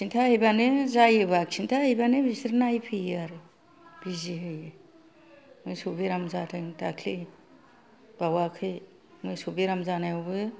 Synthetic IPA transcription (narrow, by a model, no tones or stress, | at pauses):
sʰintʰahɯjbanezajɯbak̚sʰintʰaɦɯjbanebisɾnajpʰijaɾɯ | b̥iziɦɯje | mɯjsubiɾamzatʰɯŋtakʰli | b̥awakʰɯj | mɯjsubiɾamzanajobɯ